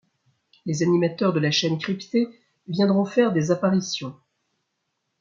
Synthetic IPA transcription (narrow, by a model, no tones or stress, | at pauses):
lezanimat̪œʁd̪əlaʃɛnkχipt̪e | vjɛ̃d̪ʁɔ̃fɛʁd̪ezapaʁisjɔ̃